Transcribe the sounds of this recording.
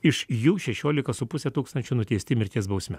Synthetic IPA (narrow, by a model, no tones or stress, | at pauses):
ɪʃjuːʃʲɛʃʲoːlʲɪkɐsʊpʊsʲɛt̪uːkst̪ɐnʲt͡ʃʲʊnʊt̪ʲɛɪsʲt̪ʲɪmʲɪɾʲt̪ʲiɛsbɐʊsʲmʲɛ